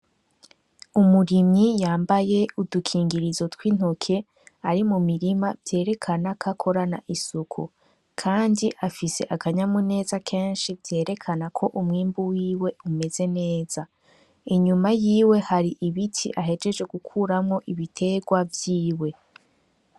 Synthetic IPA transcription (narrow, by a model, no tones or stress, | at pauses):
umuɾimɲijaːmbaje̞udukʰiːŋɡiɾizo̞twiːn̥okʰe̞ | aɾimumiɾimavje̞ːɾe̞kʰanakʰakʰo̞ɾanaʔisukʰṵ | kʰaːndiʔafise̞̰ʔakʰaɲamune̞ːzakʰe̞ːnʃivje̞ːɾe̞kʰanakʰo̞ʔumŋiːmbuwiːwe̞ume̞ze̞ne̞ːz̥a | iɲumajiːwe̞haɾiʔiβitʰḭʔaɦe̞d͡ʒe̞d͡ʒwe̞ɡukʰuɾamŋo̞ʔiβitʰe̞ɡwavjiːwe̞